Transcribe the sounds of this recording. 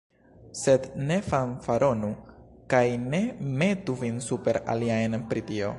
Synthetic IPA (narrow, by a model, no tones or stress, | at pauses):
se̞dne̞fanfaɾo̞nu | kajne̞me̞tuvinsupe̞ɾa̰liajnpɾitio̞̰